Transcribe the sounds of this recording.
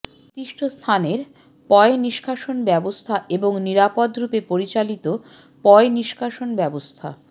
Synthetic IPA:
t̪iʃʈʰost̪ʰaneɾ | pɔeniʃkʰaʃonbɛbost̪ʰaeboŋniɾapod̪ɾupepoɾit͡ɕalit̪o | pɔeniʃkʰaʃonbɛbost̪ʰa̰

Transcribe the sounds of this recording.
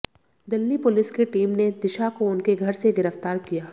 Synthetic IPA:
d̪ɪlːipʊlɪskeʈiːmned̪ɪʃakoʊnkeɡʱɐɾseɡɪɾəft̪aːɾkijaː

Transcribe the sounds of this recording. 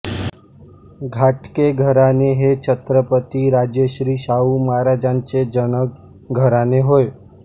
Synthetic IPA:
ɡʱaːʈkeɡʱəɾaneɦet͡ʃʰət̪ɾəpət̪iɾaːd͡ʒjəʃɾiːʃaːumaːɾad͡ʒaːnt͡ʃed͡ʒənək | ɡʱəɾaneɦoe

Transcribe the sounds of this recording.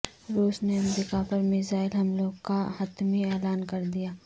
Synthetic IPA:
ɾuːsneɐmɾiːkapɐɾmɪzaːɪlɦɐmloːɡkahɐt̪miɛːlaːnkɐɾd̪ijaː

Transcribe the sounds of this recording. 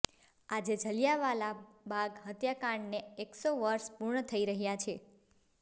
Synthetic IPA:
ad͡ʒed͡ʒʱəljaʋalabaɡɦət̪jakaɳneeksoʋəɾʃpuɾɳət̪ʰəiɾəɦjat͡ʃʰe

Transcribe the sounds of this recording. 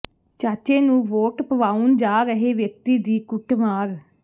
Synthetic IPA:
t͡ʃaːt͡ʃeːnũːʋoːʈpəʋaːund͡ʒaːɾəɦeːʋjək̚t̪iːd̪iːkʊʈʰmaːɾ

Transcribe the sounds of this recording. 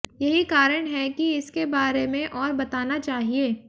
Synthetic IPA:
jɐɦikaːɾəɽ̃ɦɛkiɪskebaːɾemẽʔɔːɾbɐt̪aːnat͡ʃaːɦieː

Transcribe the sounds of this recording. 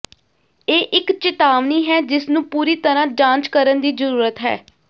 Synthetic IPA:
eːʔɪkt͡ʃɪt̪aːʋniːɦɛːd͡ʒɪsnũːpuːɾiːt̪əɾãːd͡ʒãːnt͡ʃkəɾənd̪iːzəɾuːɾət̪ɦɛ̰ː

